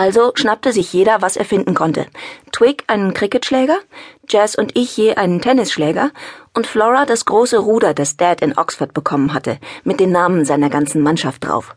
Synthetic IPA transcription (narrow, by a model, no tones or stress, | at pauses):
ʔalzoʃnap̚təzɪçjeːɾɐvasʔḛːɐfɪndn̩kʰɔntʰə̰tʰw̥ɪkʔaɪnənkʁ̥ɪkətʃlɛːɡɐ̥d͡ʒɛːsʊntʔɪçjeːʔaɪnəntʰɛnɪsʃlɛːɡɐʔʊntflɔʁadasɡ̥ʁoːsəʁuːdɐdasd̥ɛtɪnʔɔ̰ksfɐt̚b̥əkʰɔmənɦatəmɪt̚d̥eːnːaːmənzaɪnɐɡant͡sn̩manʃaft̚d̥ʁa̰ʊf